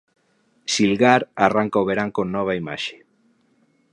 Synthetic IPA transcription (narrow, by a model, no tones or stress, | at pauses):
silɣaɾaraŋkaoβeɾaŋkonnːɔβ̞aima̰ʃe̥